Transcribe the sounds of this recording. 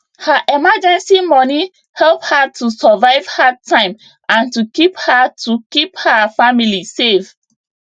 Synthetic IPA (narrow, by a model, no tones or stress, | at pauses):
haʔɛmad͡ʒɛ̃nsimɔni | hɛlˠp̚hatusəvaɪv̥hatʰãɪ̃m | ʔãntukiphatʰukiphafamilisev